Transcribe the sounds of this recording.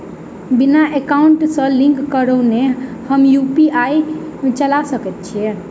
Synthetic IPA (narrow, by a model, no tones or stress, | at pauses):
binaʔekauɳʈsə̃lĩŋkːəɾəwnehəmjupiait͡ʃəlasəkɛt̪̚t͡ʃʰiɛ